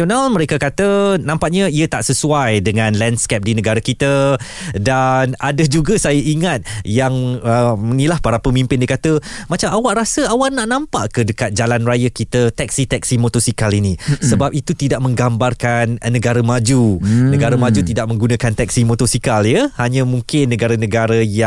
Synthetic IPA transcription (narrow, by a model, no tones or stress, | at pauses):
onalmə̃ɾekakat̪ənãmpaʔɲaiət̪aʔsəsuajdəŋãnlɛndskɛp̚dinə̃ɡaɾakit̪ə | danadəd͡ʒuɡasajaʔiŋat̪̚jaŋəmənilahpaɾapəmĩmpɪndiəkat̪əmãt͡ʃamawaʔɾasəawalnaʔnãmpaʔkədəkat̪̚d͡ʒalanrajəkit̪ət̪ɛk̚sit̪ɛk̚simot̪osikalinĩsəbap̚it̪ut̪idaʔ̚mə̃ŋɡambarkanːəɡaɾəmad͡ʒunəɡaɾamãd͡ʒut̪idaʔ̚mə̃ŋɡunãkant̪ɛk̚simot̪osikaljəhaɲãmũŋkɪnːəɡaɾanə̃ɡaɾaja